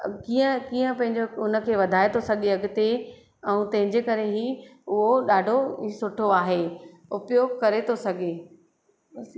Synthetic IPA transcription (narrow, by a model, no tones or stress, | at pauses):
kiːə̃kiːə̃pɐ̃ɦɪ̃ɲd͡ʑoʊnə̆kʰeːʋɐd̪ʱaːet̪ʰosɐɡʱeɐɠɪt̪e | ɛ̃ũːt̪ɐ̃ɦɪ̃ɲd͡ʑekɐɾeɦiʊɦoɗaːɖʱoɦisʊʈʰoaːɦe | ʊpjoːɡkɐɾet̪ʰosɐɡʱeː